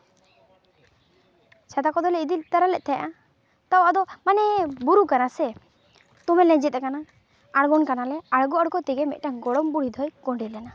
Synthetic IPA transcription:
t͡ʃad̪akɔd̪ɔlɛid̪it̪aɾalɛʔ̪̚t̪ʰɛjaʔa | t̪awʔad̪ɔmanɛbuɾukanasɛ | t̪umɛlɛ̃d͡ʒɛt̪̚ɛkana | aɽɡɔnkanalɛaɽɡɔaɽɡɔt̪ɛɡɛmɛ̰ʔ̚ʈaŋɡɔɽɔmbuɽ̤id̪ʱɔjkɔɳɖɛlɛna

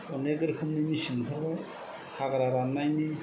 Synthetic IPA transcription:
ɔneɡɯɾkʰɯmnimisinkʰɯɾbaj | hʰaɡaɾaɾanːajni

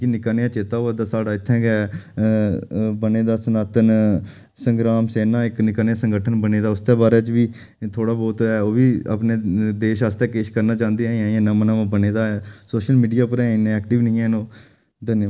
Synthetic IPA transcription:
kinɪkaːnɪjãːt͡ʃeːt̪aːoad̪aːsaːɖaːɪt̪ʰːɛ̃ːɡɛ | bəneːd̪aːsənaːt̪ən | səŋɡɾaːmseːnãːɪknɪkaːnejãːsəŋɡəʈʰənbəneːd̪aːʊst̪eːbaːɾeːt͡ʃʋiː | t̪ʰoːɽaːbɔːt̪ːɛːoːʋiːə̰pneːd̪eːʃaːst̪ɛːkeːʃkəɾnaːt͡ʃãːnd̪eːɛɛ̃ːãːnəmənãːʋãbəneːd̪aːɛːsoːʃəlmiːɖijaːpəɾɛ̃ːɪneɛːk̚ʈɪʋnĩːɛ̃ːnõː | d̪ənj

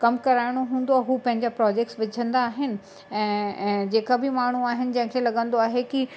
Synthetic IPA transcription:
kɐmkɐɾaːɪɽ̃oɦũːn̆d̪oaːɦuːpɐ̃ɦɪ̃ɲd͡ʑapɾɔːd͡ʑek̚ʈsʋɪd͡ʑʱə̃nd̪aːɦɪnɪ̆ | ɛ̃ːd͡ʑeːkabɪmaːɳ̤uaːɦɪnɪ̆d͡ʑɐ̃ɦɪ̃kʰelɐɠə̃nd̪oaːɦeki

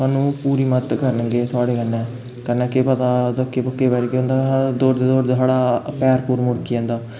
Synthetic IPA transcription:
saːnũːpuːɾiːmət̪kəɾnəɡeːsaːɽeːkənːɛ̃ː | kənɛːkepət̪aːd̪okːeːpəkːeːbɛːɾkeõnd̪aːd̪oːɾd̪eːd̪oːɾd̪saːɽaːpɛːɾpuːɾmʊɽkiːɛ̃ːnd̪aː

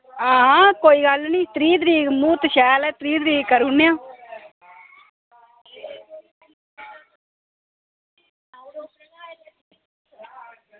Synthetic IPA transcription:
ãːkoːiːɡəlnĩːt̪ɾiːd̪ɾiːmuːt̪ʃɛːlɛːt̪ɾiːd̪ɾiːkəɾunːejãː

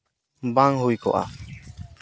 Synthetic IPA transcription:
baŋɦujkɔ̰ʔa̰

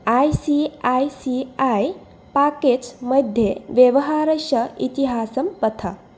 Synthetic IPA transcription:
ajsiajsiaj | paked͡ʒmɐd̪ʱjeʋjeʋɐɦaːɾɐʃɐit̪iɦaːsɐmpɐt̪ʰa̰

